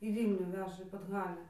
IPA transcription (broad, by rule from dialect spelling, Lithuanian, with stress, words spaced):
iː ˈʋʲiːlʲnʲuː ˈʋʲæːʒɐ iː pɐdˈɣɑːlʲæː